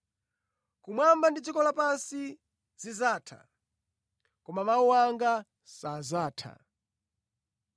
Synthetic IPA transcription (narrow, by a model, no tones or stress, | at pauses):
kumwambandid͡zikɔlapansi | zizaːtʰa̰ | kɔmamauwaŋɡa | sazaːtʰa̰